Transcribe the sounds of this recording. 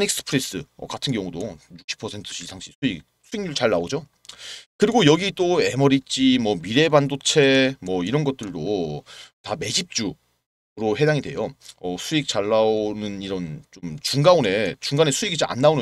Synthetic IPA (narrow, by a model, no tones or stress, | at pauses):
nik̚s͈ɯ̥pʰɯɾes͈ɯʌ̰katʰɯnɡjʌŋudojuk̚ɕʰi̥pʰʌsʰe̞ntʰɯ̥ɕʰiaŋɕʰisʰuik̚sʰuiŋɲuɭt͡ɕaɭːaod͡ʑo | kɯɾiɡojʌɡit͈oe̞mʌɾit͡ɕ͈imwʌmiɾe̞bandot͡ɕʰe̞mwʌiɾʌnɡʌt̚t͈ɯɭdo | tame̞d͡ʑip̚t͡ɕ͈u | ɾohe̞daŋidwe̞joʌsʰuik̚t͡ɕaɭːaonɯniɾʌnt͡ɕomt͡ɕuŋɡaone̞t͡ɕuŋɡane̞sʰuiɡit͡ɕiʔa̰nːaonɯ